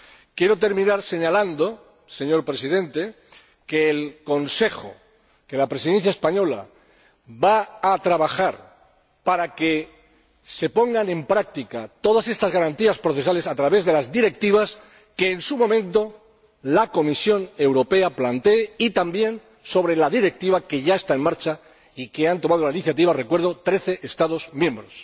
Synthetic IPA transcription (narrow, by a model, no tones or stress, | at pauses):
kje̞ɾo̞t̪e̞ɾmĩnaɾse̞ɲaland̪o̞ | se̞ɲo̞ɾpɾe̞sið̞ẽ̞nt̪e̞ | ke̞ːlko̞nse̞xo̰ | ke̞lapɾesiðe̞n̟θ̬jaespaɲo̞la̰ | baːt̪ɾaβ̞axaɾ | paɾake̞ | se̞po̞ŋɡanẽ̞mpɾak̚t̪ikat̪o̞ð̞ase̞st̪azɣaɾant̪iaspɾoθe̞s̬ale̞sat̪ɾaβe̞zðe̞lazðiɾe̞k̚t̪iβ̞as | ke̞ːnsumõ̞mẽ̞nt̪o̞ | lako̞misjo̞ne̞wɾo̞pe̞aplant̪e̞ːit̪ambje̞n | so̞β̞ɾe̞laðiɾe̞k̚t̪iβ̞ake̞ʝae̞st̪ae̞nmaɾt͡ʃa | ike̞ant̪o̞mað̞olainiθjat̪̬iβare̞kwe̞ɾð̞o̞t̪ɾe̞θe̞ʔest̪aðo̞zmjẽ̞mbɾo̞s